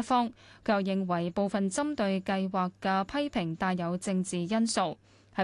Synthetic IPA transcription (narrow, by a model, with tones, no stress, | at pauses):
fɔː˥ŋkʰjɐ˨wjɪ˨ŋwɐ˨˩jpo˨wfɐ˨nt͡sɐ˥mt̪ɵ˧ɥkɐ˧jwaː˨kːɛ˧pʰɐ˥jpʰɪ˨˩ŋt̪aː˧jjɐ˨˧wt͡sɪ˧ŋt͡siː˨jɐ˥nso˨˧w | hɐ˨